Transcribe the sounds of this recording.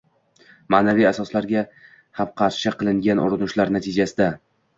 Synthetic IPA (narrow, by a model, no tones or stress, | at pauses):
maːnavijasɒslaɾɡʲa | hamqʰɑɾʃɪqɨlˠɪŋɡʲanʔʊ̰ɾɪnʊʃlaɾnat̪ʰɪd͡ʒasɪd̪a